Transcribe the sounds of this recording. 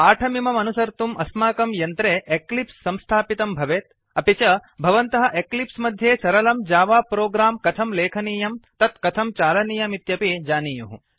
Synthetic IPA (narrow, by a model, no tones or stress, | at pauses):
aːʈʰɐmimɐmɐnusɐɾt̪umʔɐsmaːkɐmjɐnt̪ɾeːʔeklipsːɐ̃mst̪ʰaːpit̪ɐmbʱɐʋeːt̪̚ | ɐpit͡ʃɐbʱɐʋɐnt̪ɐɦɐʔeklipsmɐd̪ʱjeːsɐɾɐlɐmd͡ʒaːʋaːpɾoːɡɾaːmkɐt̪ʰɐmleːkʰɐniːjɐmt̪ɐt̪kɐt̪ʰɐmt͡ʃaːlɐniːjɐmit̪jɐpeːd͡ʒaːniːjuɦu